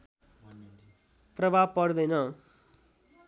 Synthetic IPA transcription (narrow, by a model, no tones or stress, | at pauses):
prʌbʱab̚pʌrd̪ʌjnʌ